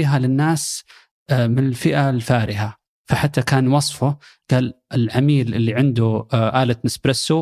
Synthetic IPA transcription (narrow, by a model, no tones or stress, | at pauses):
iːɦalɪnːaːs | mɪnɪlfɪʔalfaːɾʔɪɦa | faħat̪ːakaːnwɑsˤfʊ | ɡ̥aːlʔɪlʕamiːlʔɪlːiʕɪnd̪uʔaːlat̪nɪsbɾɪsu